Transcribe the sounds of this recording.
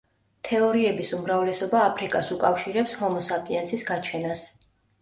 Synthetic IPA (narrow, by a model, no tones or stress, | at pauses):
t̪ʰɛɔɾiɛbisumɾavlɛsɔbaːpʰɾikʼasukʼafʃiɾɛpshɔmɔsapʼiɛnsisɡat͡ʃʰɛnas